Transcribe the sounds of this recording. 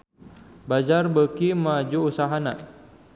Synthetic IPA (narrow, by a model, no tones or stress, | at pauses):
bad͡ʒarbəkimad͡ʒuːsaɦana